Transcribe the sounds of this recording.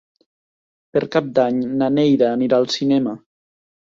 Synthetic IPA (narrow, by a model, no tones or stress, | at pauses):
peɾkap̚d̪aɲnanejɾaːniɾalˠsinɛmə